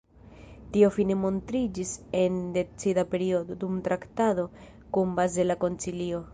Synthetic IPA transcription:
tio̞fine̞mo̞ntɾid͡ʒise̞nde̞t͡sidape̞ɾio̞do̞dumtɾaktado̞ | kumbaze̞lako̞nt͡silio̞

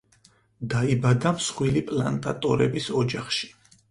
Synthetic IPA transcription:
d̪aibad̪amsχwilipʼla̰nt̪ʼa̰t̪ʼɔɾɛbisɔd͡ʒaχʃi̥

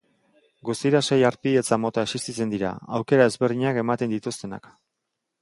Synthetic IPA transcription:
ɡust̪iɾase̞jaɾpie̞t͡samo̞t̪aesist̪it͡se̞nd̪iɾa̰awke̞ɾae̞zβerðiɲake̞mat̪e̞nd̪it̪ust̪e̞na̰k

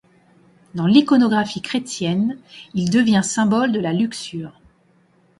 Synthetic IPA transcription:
d̪ɑ̃likɔnɔɡʁafikχet̪jɛnild̪əvjɛ̃sɛ̃bɔld̪əlalyksyːʁ

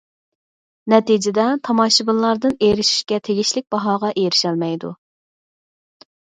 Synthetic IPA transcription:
nɛt̪id͡ʒɪd̪ɛt̪ʰɑmɑʃɨbɨllːˠɑɾd̪ɨnejɾɪʃi̥ʃkʲɛt̪ʰeɡʲiʃlɪk̚ʲbɑɦɑːʁɑʔejɾɪʃɛlmɛjd̪ṵ

